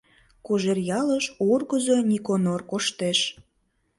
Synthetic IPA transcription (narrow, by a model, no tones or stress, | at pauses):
koʒerjɑləʃurɣəzonʲikonorkoʃt̪eʃ